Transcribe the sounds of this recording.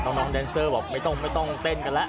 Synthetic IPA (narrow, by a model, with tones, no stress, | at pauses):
t̪ɔ˧˩ŋnɔː˨˦˥ŋɗɛː˧nsəː˧bɔː˨˩k̚ma˧˩jt̪ɔ˧˩ŋŋ͡mma˧˩jt̪ɔ˧˩ŋt̪eː˧˩nkaː˧˩la˦˥ʔ